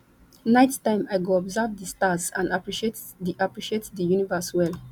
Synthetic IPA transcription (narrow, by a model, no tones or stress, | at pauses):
naɪttãɪ̃maɪɡoɔbzavdəstasãnapɹiʃet | diʔapɹiʃietdəjunivəswɛl